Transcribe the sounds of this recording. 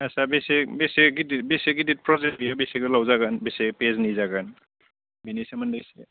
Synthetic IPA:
asabesebeseɡidibeseɡidit̚pɾɔzebijabeseɡɯlawzaɡanbesepeznizaɡan | binisemandajse

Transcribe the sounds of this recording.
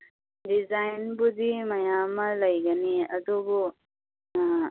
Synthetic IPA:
dizajnbudimɐjamɐlɐjɡɐniɐdubu

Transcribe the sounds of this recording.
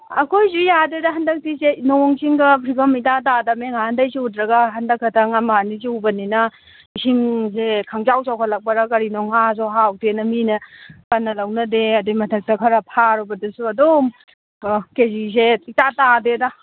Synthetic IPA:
ɐkʰojsujadedɐɦɐndɐk̚tisenoŋsiŋɡɐpʰɾiɡɐmitatadɐmeŋahandɐjsiutɾɐɡɐɦɐndɐkʰːɐtʰɐŋɐmaniz̬iubɐninɐ | isiŋzekʰaŋzawsawkʰalɐk̚pɐɾakɐɾinoŋhazɔɦawtʰenɐminɐkanːɐlɐwnɐdeɐdimɐtʰɐk̚tɐkʰɐɾapʰaɾɔbɐdɐsuɐdom | kezis̬eitatadedɐ

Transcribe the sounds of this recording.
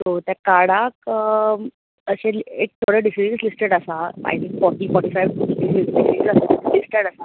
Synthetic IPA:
t̪ot̪jakaɽakə | əɕelek̚t̪ʰoɽəɖisid͡ʒəslisʈeɽəsaa̰jt̪ʰĩŋkfɔʈiːfɔʈiːfajʋɖisiɖisisasalisʈəɽasa

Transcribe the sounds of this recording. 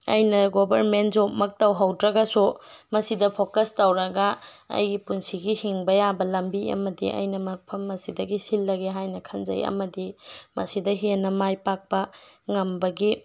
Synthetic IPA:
ɐ̰jnɐɡobʱɐɾmentzomɐk̚tɐwɦɐwdɾɐɡɐsumɐsidɐpʰokɐstɐwɾɐɡɐɐ̰jɡipunsiɡihiŋbɐjabɐlɐmbiɐ̰mɐdḭɐ̰jnɐmɐpʰɐmːɐsidɐɡisilːɐɡeɦajnɐkʰɐnzɐ̰jɐ̰mɐdimɐsidɐɦenɐmajpak̚pɐŋɐmbɐɡi

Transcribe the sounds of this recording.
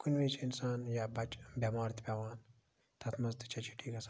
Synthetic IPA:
kunʋiːt͡ʃʰinsaːnjabɐt͡ʃbʲɐmaːɾt̪ʰbʲɐʋaːn | t̪ʰɐt̪ʰmɐzt̪ɨ̥t͡ʃʰɐt͡ʃʰi̥ʈʰiːkɐsa

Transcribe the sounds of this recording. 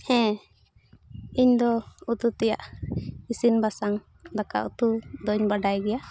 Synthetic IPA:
hɛ̃ | iɲd̪ɔut̪ut̪ɛja̰ʔisinbasaŋ | d̪aka̰ʔut̪ud̪ɔɲbaɖajɡɛja

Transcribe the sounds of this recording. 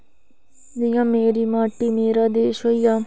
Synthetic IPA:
d̪ɪjãːmeːɾiːmaːʈiːmeːɾaːd̪eːʃɦoːiːjaː

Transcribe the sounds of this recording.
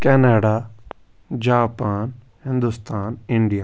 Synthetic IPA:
kɛːnaːɖaː | d͡ʒaːpaːn | hɪ̃nd̪ʊst̪aːnɪɳɖijaː

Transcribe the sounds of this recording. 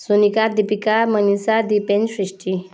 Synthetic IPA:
sunikad̪ipikamənisad̪ipẽnd͡ʑɕɾiʂʈi

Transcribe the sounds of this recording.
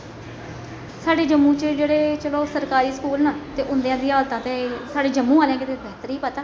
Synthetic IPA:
saːɖeːd͡ʒəmːũːt͡ʃəd͡ʒeːɽeːt͡ʃəloːsəɾkaːɾiːskuːlnaːt̪eːʔʊnd̪ejãːd̪iːaːlt̪ãːt̪eːsaːɖeːd͡ʒəmːũːaːljãːɡeːt̪eːbɛːt̪əɾiːpət̪aː

